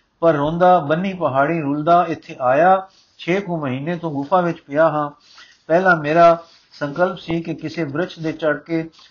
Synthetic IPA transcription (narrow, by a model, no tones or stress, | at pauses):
pəɾːõːnd̪aːbənːiːpəɦaːɽĩːɾʊːld̪aːɪt̪ʰːeːʔaːjaː | t͡ʃʰeːkõːməɦiːneːt̪õːɡʊpʰãːʋɪt͡ʃpɪjaːɦãː | pɛːlãːmeːɾaː | sə̃ŋkəlpsiːkɪkɪseːbɾɪt͡ʃʰd̪eːt͡ʃəɽkeː